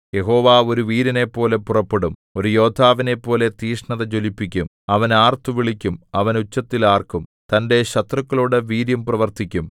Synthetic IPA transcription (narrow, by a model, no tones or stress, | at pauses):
je̞ɦo̞ːʋaːo̞ɾuʋiːɾɐne̞pːo̞ːle̞purɐpːeɽumo̞ɾujo̞ːd̪ʰʱaːʋine̞pːo̞ːle̞t̪iːʂɳɐðɐt͡ɕo̞lipːikʲːum | ɐʋɐnaːrt̪uʋiɭikʲːumɐʋɐnut͡ɕːɐt̪ːilaːrkumt̪ɐnde̞ɕɐt̪rɐkːɐɭoːɽeʋiːɾjɐmprɐʋɐrt̪ikʲːum